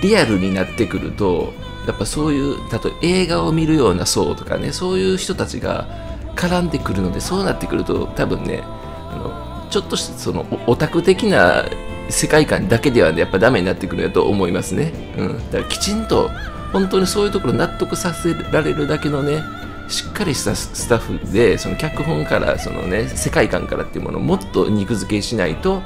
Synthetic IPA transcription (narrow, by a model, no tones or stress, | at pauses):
ɾʲiaɾɯ̟ɲ̟inat̪ːe̞kɯ̟ɾɯ̟̰t̪o̞̰ | japːaso̞ːjɯ̟ːt̪at̪o̰e̞ːɡao̞mʲiɾɯ̟jo̞ːna̰so̞̰ːt̪o̞̥ka̰ne̞̰so̞ːjɯːçi̥t̪o̞t̪at͡ɕḭɡa̰ | kʰaɾãnd̪e̞kɯ̟ɾɯ̟no̞d̪e̞so̞ːnat̪ːe̞kɯ̟ɾɯ̟t̪o̞̰t̪abɯ̟̰̃nːe̞̰ | a̰no̞̰ | t͡ɕo̞t̪ːo̞ɕi̥t̪so̞no̞̰ʔot̪akɯ̟t̪e̞kʲina̰ | se̞kaikã̰nd̪ake̞d̪e̞βanejapːad̪ame̞ɲ̟inat̪ːe̞kɯ̟ɾɯnojat̪o̰ʔo̰mo̞imasɨne̞ | ɯ̟̃d̪̥akakʲi̥t͡ɕĩnt̪o̞̰ | hõ̞nt̪o̞ːɲ̟ʲiso̞ːjɯ̟ːt̪o̞ko̞ɾonat̪ːo̞kɯ̟sase̞ɾaɾe̞ɾɯ̟d̪ake̞no̞ne̞ | ɕi̥kːaɾʲiɕi̥t̪asɨ̥t̪aɸɯ̟d̪e̞so̞no̞kʲakɯ̟ɦõ̞ŋkaɾa̰sono̰nese̞kaikã̰ŋkaɾʔa̰t̪ːeiɯ̟mo̞no̰mo̞t̪ːo̞̰ɲ̟ʲikɯ̟zɨke̞ɕinait̪o̞